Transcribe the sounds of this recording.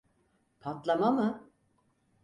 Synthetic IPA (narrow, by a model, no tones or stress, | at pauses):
pʰat̪lˠamamɯ